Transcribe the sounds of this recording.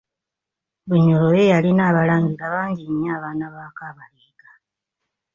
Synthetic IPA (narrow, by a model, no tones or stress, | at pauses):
βuɲolojejalinaːβalaːŋɡiɾaβaːɲɟiɲːaːβaːnaβaːkaːβaliːɡḁ